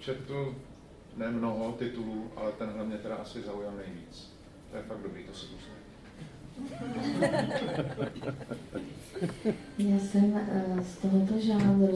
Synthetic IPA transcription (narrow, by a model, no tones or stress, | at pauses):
t͡ʃɛt̪u | nɛmnoɦot̪ɪt̪uluːʔa̰lɛt̪ɛnɦlɛmɲɛt̪ɛɾaʔasɪzaujalnɛjviːt͡s | t̪ojɛfaɡ̚dobɾiːt̪osɛposlai | jaːsɛmst̪oɦot̪oʒaːvɪ